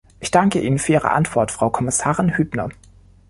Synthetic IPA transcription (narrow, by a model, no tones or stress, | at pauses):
ʔɪçd̥aŋkəʔiːnənfyɐʔiːʁə̰ʔa̰ntv̥ɔɐtfʁ̥aʊkʰɔmɪsaːʁɪnhyːbnɐ̰